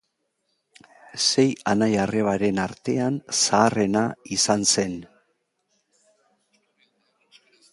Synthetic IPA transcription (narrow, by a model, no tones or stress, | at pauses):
se̞janajare̞β̞aɾe̞naɾt̪e̞ansaːre̞naisanse̞n